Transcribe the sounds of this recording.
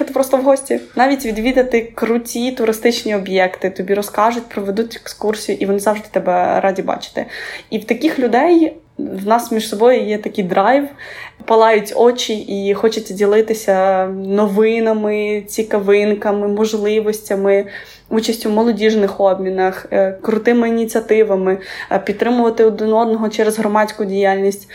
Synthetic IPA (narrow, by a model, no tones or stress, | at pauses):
ɛt̪ɛpɾɔst̪ɔwɦɔsʲtʲinɑʋʲitʲʋʲid̪ʋʲid̪ɐt̪ɪkɾʊtʲit̪ʊɾɪst̪ɪt͡ʃnʲiɔbjɛkt̪ɪt̪ɔbʲiɾɔskɑʐʊtʲpɾɔʋed̪utʲɛ̥kskursʲijʊʔiʋɔnɪzɑʋʐd̪ɪ̥t̪ɛbɛɾɑdʲibɑ̰t͡ʃɪ̥t̪ɪ̰iwt̪ɐkʲixlʲʊd̪ɛj | wnɑsmʲiʃsɔbɔjʊjɛt̪ɐkʲɪjd̪ɾɑjʋpɐlˠɑjʊtʲɔt͡ʃʲiʔixɔt͡ʃɐtʲdʲilˠɪt̪ɪsʲɐnɔʋɪnɐmɪt͡sʲikɐʋɪnkɐmɪmɔʒlˠɪʋɔsʲtʲɐmɪ | ut͡ʃɐsʲtʲʊwmɔlˠɔdʲiʒnɪxɔbmʲinɐxkɾʊt̪ɪmɪinʲit͡sʲiɐt̪ɪʋɐmɪpʲid̪t̪ːɾɪmʊʋɐt̪ɪɔd̪ɪnɔd̪nɔɦɔt͡ʃɛɾezɦɾɔmɑsʲkʊdʲijalʲnʲisʲtʲ